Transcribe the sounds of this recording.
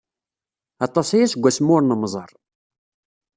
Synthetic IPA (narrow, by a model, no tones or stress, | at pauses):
ɑt̪ˤːɑsæjæsəɡʷːæsmːʊɾnəmzˤəɾˤ